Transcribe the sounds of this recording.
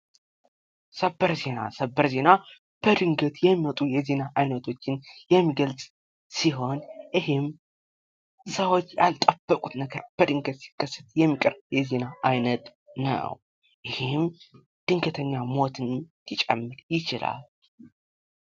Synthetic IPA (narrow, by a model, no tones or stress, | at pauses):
səbːəɾze̞na̰səbːəɾze̞na | b̥əd̪ɨŋɡət̪jɛmːiwot̪ʼujɛze̞naʔajnət̪ʰo̞t͡ʃːɪnjɛmːiɡəlsʼ | siɦo̞nʔɨhɪm | səwo̞t͡ʃːja̰lt̪ʼəb̥ːəkʼut̪nəɡəɾb̥əd̪ɨŋɡət̪si̥kːəsːɨt̪̚jɛmːikʼəɾbjɛze̞naʔajnət̪ | nə̰w | ʔɪhɪm | d̪̥ɨŋɡət̪ʰəɲːamo̞t̪ʰɨnlit͡ʃʼɛ̰mːɨɾjɪt͡ʃɪla̰l